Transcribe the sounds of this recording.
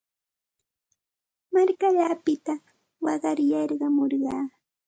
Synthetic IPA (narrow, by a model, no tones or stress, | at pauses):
maɾkaʎapɪt̪a | wɑɢɑɾjɑɾɢɑmoɾɢɑː